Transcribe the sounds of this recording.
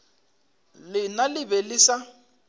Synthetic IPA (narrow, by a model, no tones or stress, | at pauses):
lɪnalɪβɛlɪsa